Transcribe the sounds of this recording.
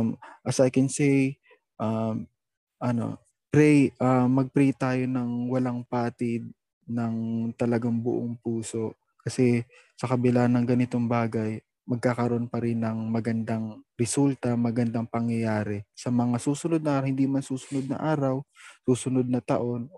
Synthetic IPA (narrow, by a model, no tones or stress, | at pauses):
mʔɐsajkɛnsɛj | ʔa | ʔɐno̞̰ | pɾɛjʔamɐɡ̚pɾɛjt̪aːjo̞nɐŋwɐlaŋpaːt̪ɪd̪̚ | nɐŋt̪ɐlɐɡaŋbʊ̰ʔoŋpuːso̞ʔ | kɐsɛ | sɐkɐbɪlanɐŋɡɐnɪt̪o̞ŋbaːɡɐj | mɐɡ̚kaːkɐɾoʔonpɐɾɪnːɐŋmɐɡɐnd̪aŋɾɛsult̪ɐmɐɡɐnd̪aŋpɐŋjɐjaːɾɛsɐmɐŋasuːsʊno̞d̪̚nɐahɪnd̪imansuːsʊnod̪̚nɐ̰ʔaːɾɐwsuːsʊnod̪̚nɐt̪ɐ̰ʔo̞n